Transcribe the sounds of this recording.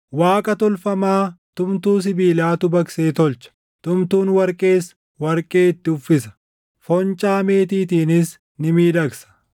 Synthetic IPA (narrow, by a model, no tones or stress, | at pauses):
waːkʼɐt̪ɔlfɐmaːt̪ʊmt̪uːs̬ɪbiːlaːt̪ʊbɐkse̞ːt̪ɔlt͡ʃɐ̥ | t̪ʊmt̪uːnwɐɾkʼe̞ːs | wɐɾkʼe̞ːɪt̪ːɪʊfːɪsɐ̥ | fɔnt͡ʃʼaːmeːt̪iːt̪iːnɪs | nɪmiːd̪ɐksɐ̥